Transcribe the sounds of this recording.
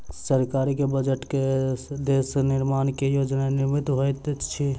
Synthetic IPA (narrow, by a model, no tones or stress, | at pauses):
səɾkaɾikebəd͡ʒəʈked̪esnɪɾmankejod͡ʒnanɪɾmit̪ɦojt̪t͡ʃʰi